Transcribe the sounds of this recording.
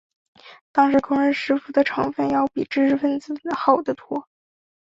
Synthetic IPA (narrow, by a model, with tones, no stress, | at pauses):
t̪ɑ˥ŋʂɻ̩˧˥kʰʊ˥ŋɻə˥˧nʂɻ̩˥fu˨˩d̪ə˨ʈ͡ʂʰɑ˧˥ŋfə˥˩njɑ˥˩ʊpi˨˩ʈ͡ʂɻ̩˥ʂɻ̩˥fə˥˩nt͡sɹ̩˨˩əxɑ˨˩ʊd̪ə˦t̪ʰwɔ˥